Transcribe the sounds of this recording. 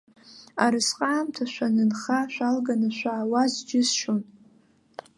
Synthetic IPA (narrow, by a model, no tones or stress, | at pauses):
aɾɨsqʼaːmtʰaʃʷanɨnχaʃʷᶣalɡanɨʃʷaːwazd͡ʒɪzʃon